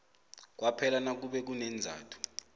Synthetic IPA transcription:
k̬wapʰɛlanak̬uɓɛk̬unɛnd͡zʱa̰ːtʰu̥

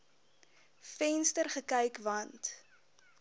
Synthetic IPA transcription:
fɛnstərχəkɛjkvɐnt

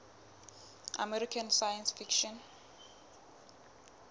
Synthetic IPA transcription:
a̰mɛɾikʰansajansfikʃɔn

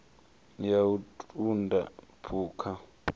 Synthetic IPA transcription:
jautʼunda̰pʰuːkʰa

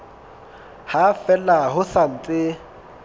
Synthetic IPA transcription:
hafɛlaɦʊsan̩t͡sʼɪ

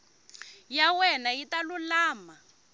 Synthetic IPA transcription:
jawɛnaitalulaːma

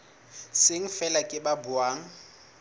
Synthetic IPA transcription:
sɪŋ̩fɛlakʼɪbabʊaːŋ̩

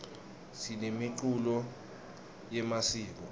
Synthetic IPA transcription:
sinemiǃulɔ | jɛmasiːk̬ɔ

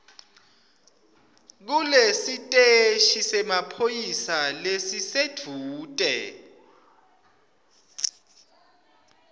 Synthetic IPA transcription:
k̬ulesitʼeʃisɛmapʰojisalesised̥ʱuːtʼɛ̰

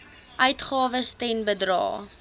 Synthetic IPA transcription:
ʔœɥtχɑːvəstɛnbədrɑ̰ː

